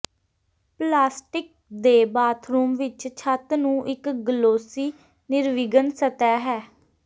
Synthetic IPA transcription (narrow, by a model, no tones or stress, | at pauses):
plaːsʈɪk̚ | d̪eːbaːt̪ʰɾuːmʋɪt͡ʃt͡ʃʰət̪nũːʔɪkɡəloːsiː | nɪɾʋɪɡənsət̪ɛːɦɛː